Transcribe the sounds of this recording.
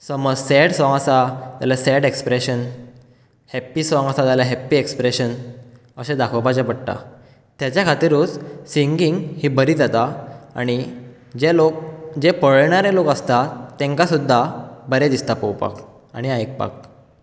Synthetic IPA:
səməd͡zsɛɽsʋãŋəsat̪jalasɛɽekspɾeɕən | hɛpːiːsʋãŋəsat̪alaɦɛpːiːekspɾeɕən | əɕẽd̪akʰəwpad͡ʑapəɽʈ̪a̰ | t̪jat͡ɕjakʰat̪iɾuːt͡ssiŋɡiŋɡhiːbəɾiːd͡zat̪aa̰ɽ̃i | d͡ʑelok̚d͡ʑepəɭɳaɾelokəst̪at̪ːɛ̃ŋkasud̪ʱːabəɾẽd̪ist̪apəwpa̰k | aɽ̃iajk̚pa̰k̚

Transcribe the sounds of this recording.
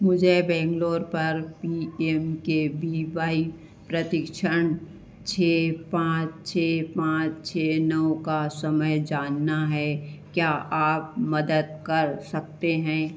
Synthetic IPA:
mʊd͡ʒʱebɛ̃ːŋɡloːɾpɐɾpiːemkebiːʋaːi | pɾət̪ɪkʃəñ | t͡ʃʰeːpãːt͡ʃt͡ʃʰeːpãːt͡ʃt͡ʃʰeːnɔokasəməjd͡ʒaːnːaɦɛkjaːʔaːp̚mɐd̪əd̪̚kɐɾsɐk̚t̪eɦɛ̃ː

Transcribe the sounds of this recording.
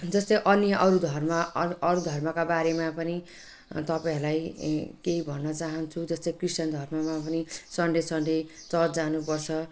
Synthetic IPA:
d͡zʌst̪ʌjʔʌnjʌʔʌɾud̪ʱʌrmʌʌɾud̪ʱʌrmʌkabaɾemapʌni | t̪ʌpaẽɦrlajkeɦibʱʌnːʌt͡saɦʌnt͡sʰud͡zʌst̪ʌkrisʈjʌnd̪ʱʌrmʌmapʌnisʌɳɖesʌɳɖet͡sʌd͡zanupʌrt͡sʰʌ

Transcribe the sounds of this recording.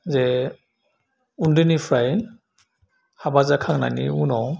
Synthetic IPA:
zɛ | undɯnipʰɾajn | habazakʰaŋna̰niunɔ

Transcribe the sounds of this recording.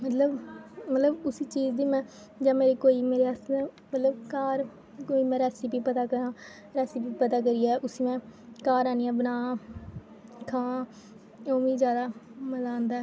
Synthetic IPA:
mət̪ləbmət̪ləbʊsiːt͡ʃiːd͡ʒd̪iːmɛ̃ː | d͡ʒãːmeːɾeːkoːiːmeːɾeːasnɛ̃ː | mət̪ləbkaːɾ | koːiːmɛ̃ːɾɛːsiːpiːpət̪aːkəɾãː | ɾɛːsipiːpət̪aːk̬əɾiːɛːʔʊsiːmɛ̃ːkaːɾaːniãːbənaː | kʰãː | õːʋiːzjaːd̪aːməzãːnd̪aː

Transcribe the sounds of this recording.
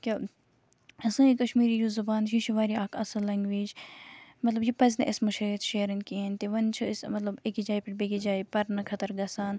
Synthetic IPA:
kʲi | ɐsãːikɐʃmiːɾijuzɐbaːnʃiʃʰuʋaːɾiaːkʰɐsɐlɐŋɡʋeːd͡ʒmɐt̪lɐbjipɐz̬neʔɪsmɐʃɐit̪ʃeːɾɐnkient̪eʋɐnt͡ʃʰɐɪsmɐt̪lɐbekid͡ʒaːipɪʈbekid͡ʒaːipɐɾnɐkʰɐt̪ɐɾɡɐsaːn

